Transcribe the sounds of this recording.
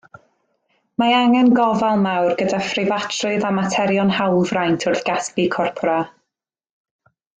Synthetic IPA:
maaŋɛnɡɔvalˠmawrɡədafrɪvatʰrʊɨðamatʰɛɾjɔnhawlˠvrajntʰʊrθɡ̥aspikʰɔrpʰɔɾa

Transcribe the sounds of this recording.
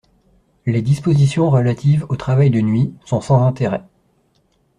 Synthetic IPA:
led̪ispozisjɔ̃ʁəlat̪ivot̪χavajd̪ənɥisɔ̃sɑ̃zɛ̃t̪eʁɛ

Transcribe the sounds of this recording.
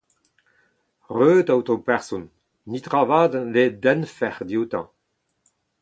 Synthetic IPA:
ʁøːd̪awt̪ɔ̃pɛʁsɔnː | it̪ʁavaːd̪led̪ɛnfɛʁd̪iut̪ɑ̰̃

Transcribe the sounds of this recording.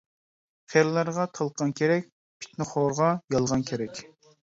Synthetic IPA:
χeɾlæɾʁɑt̪ʰɑlˠqʰɑnkʲʰeɾɛk̚ʲ | pʰi̥t̪nɨχoɾʁɑjɑlˠʁɑnkʲʰeɾɛkʲ

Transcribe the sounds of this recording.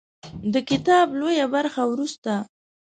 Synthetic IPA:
d̪əkɪt̪ɑblojabaɾxawɾust̪a

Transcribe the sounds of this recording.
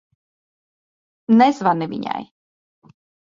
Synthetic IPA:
nɛzvanɨvʲḭɲʲa̰j

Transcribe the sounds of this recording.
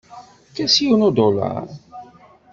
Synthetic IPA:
kæsjiwnod̪olɑ̰ɾˤ

